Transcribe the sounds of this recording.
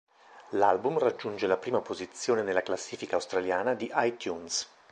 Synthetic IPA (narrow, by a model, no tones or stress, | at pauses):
lalbumrad͡ʒːund͡ʒelapɾiːmapozit̪sːjoːnenelːaklasːiːfikaːwst̪ɾaljaːnad̪iʔajt̪juns